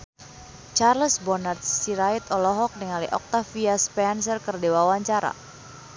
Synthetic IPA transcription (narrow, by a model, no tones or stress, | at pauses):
t͡ʃarləsbɔnart̪̚siɾait̪ɔlɔɦɔk̚niŋalḭʔɔk̚t̪afiaspɛnsərkərdewawaɲt͡ʃaɾa̰